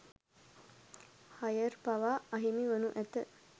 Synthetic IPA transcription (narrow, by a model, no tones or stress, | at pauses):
hɐjəɾpɐʋaːɐɦimiʋənuʔæt̪ə